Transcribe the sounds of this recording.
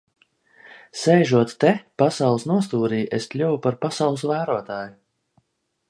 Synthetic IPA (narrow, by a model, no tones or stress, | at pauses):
sɛjʒuɔt̪t̪ɛpasawlˠsnuɔst̪uːɾiːʔest̪lʲuvupaɾpasawlˠɨsvæːɾuɔt̪aːju